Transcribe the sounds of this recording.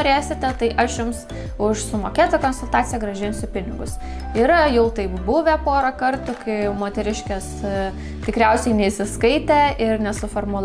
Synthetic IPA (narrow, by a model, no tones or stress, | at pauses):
oɾʲeːsʲɪt̪ʲɛt̪ɐɪʔɐʃjʊms | ʊʃsʊmoːkʲeːt̪okonsʊlˠt̪ɑːt̪sʲɪjɛɡɾɐʒʲɪnsʊpʲɪnʲɪɡʊs | ɪɾjɛʊt̪ɐɪpbʊʋʲɛpoːɾɐkɐrt̪ʊkɐɪmoːt̪ʲɛɾʲɪʃʲkʲɛs | t̪ʲɪkɾʲɛʊsʲɛɪnʲɛisʲɪskɐɪt̪ʲɛʔɪrnʲɛsʊfoːrmʊlˠ